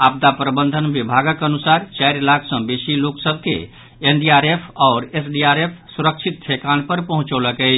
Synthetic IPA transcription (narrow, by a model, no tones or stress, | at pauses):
ab̚d̪apɾəbənd̪ʱənbibʱaɡəkənusaɾt͡ʃajɾlakʰsə̃besiloksəbʱkḛ | enɖiaɾepʰɔʊɾesɖiaɾepʰsuɾək̚t͡ʃʰit̪̚ːʰekanpəɾpəɦũt͡ʃɔləkɛɪt͡ʃʰ